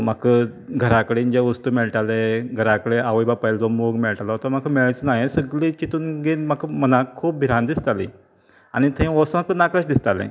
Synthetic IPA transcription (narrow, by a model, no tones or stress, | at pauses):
makʰəɡʱəɾakəɽiːnd͡ʑeʋəst̪uːmɛɭʈaleɡʱəɾakəɽeaʋəjbapəjld͡zɔmoɡmɛɭʈalaɦot̪am̤akʰəmeɭt͡snajẽsəɡɭit͡ɕit̪uːnɡenm̤akʰəmənakʰuːp̚bʱiɾãnd̪ist̪alḭ̃ | añit̪ʰẽʋɔsãk̪ənakəɕd̪ist̪alɛ̰̃